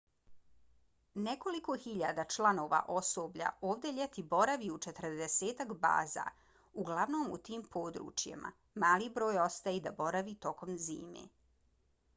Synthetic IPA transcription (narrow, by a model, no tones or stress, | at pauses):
neko̞liko̞xiʎaːd̪at͡ʃlˠano̞ʋa̰ʔo̞so̞ːbʎa̰oːʋd̪eʎet̪ibo̞ɾaʋiut͡ʃet̪ɾ̩d̪eseːt̪akba̰ːza̰ | uɡlaʋno̞ːmṵt̪iːmpʰoːd̪ɾṵːt͡ʃjḛma̰ | maːlibɾo̞ːjo̞st̪ajid̪abo̞ɾaʋit̪o̞ko̞mzḭːmḛː